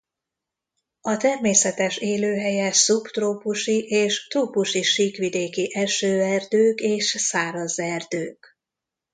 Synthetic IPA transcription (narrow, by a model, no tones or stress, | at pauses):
ɒt̪ɛrmeːsɛt̪ɛʃeːløːɦɛjɛsupt̪roːpuʃiʔeːʃt̪ruːpuʃiʃiːkʋid̪eːkiʔɛʃøːɛrd̪øːkeːʃsaːɾɒzɛrd̪øːk